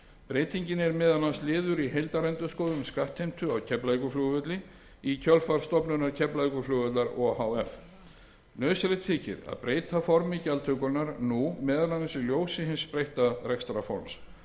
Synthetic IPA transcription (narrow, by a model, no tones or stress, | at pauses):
pɾeːjt̪ʰiɲcɪnɛɾmɛːðanːanslɪːðʏɾiɦejlt̪aɾɛnt̪ʏskɔːðʏmskaht̪hejm̥t̪ʏawcʰɛplajkʏflʏɣvʏt̪lɪ | icʰœlfaɾ̥st̪ɔpnʏnːaɾ̥cʰɛplajkʏflʏːɣœt̪laɾɔhawɛf | nœːðsɾejht̪fiːcɪ̰ɾa̰ðpɾeːjt̪ʰafɔɾmɪcalt̪ʰœkʏnaɾnumɛːðanansiljoːwsɪɦɪnspɾejht̪arɛkst̪ɾafɔ̰ɾms